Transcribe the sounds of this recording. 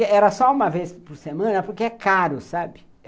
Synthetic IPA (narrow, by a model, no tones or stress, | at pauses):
eɛɾɐsɔũmɐvespoɾsemɐ̃nɐpoɾkeɛkaɾʊsabɪ